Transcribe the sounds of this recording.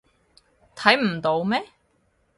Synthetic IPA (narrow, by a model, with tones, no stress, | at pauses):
t̪ʰɐ˨˥jm̩˨˩t̪o˨˧wmɛː˥